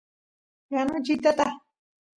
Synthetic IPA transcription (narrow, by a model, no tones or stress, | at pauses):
janod͡ʒit̪at̪a